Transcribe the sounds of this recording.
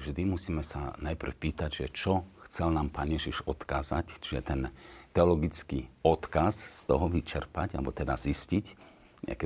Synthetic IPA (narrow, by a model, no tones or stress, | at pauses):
ʒd̪imusiːmɛsa̰najpr̩fpiːt̪aɟʒɛt͡ʃɔxt͡sɛlnaːmpaːnjɛʒiʒɔt̪kaːza̰ct͡ʃiʒɛt̪ɛnt̪ɛɔlɔɡit͡skiɔt̪kasst̪ɔɦɔʋit͡ʃɛɾpaɟalɛbɔt̪ɛd̪aziscic | ɲɛ̰a̰kɛ